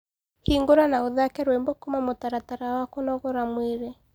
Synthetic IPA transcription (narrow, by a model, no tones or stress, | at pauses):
hiŋɡoɾanaoðakɛɾwembɔkomamotaɾataɾawakonɔɣɔɾamweɾe